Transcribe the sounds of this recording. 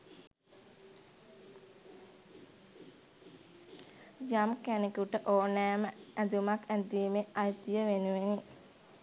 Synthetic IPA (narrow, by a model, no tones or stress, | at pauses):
d͡ʒamkænekuʈəʔoːnæːməæd̪umakʰæd̪iːmeajt̪ijəʋenuʋeni